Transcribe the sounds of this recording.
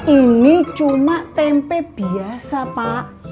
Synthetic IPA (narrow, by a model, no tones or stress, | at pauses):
init͡ʃumaʔt̪ɛmpɛb̥iasapaʔ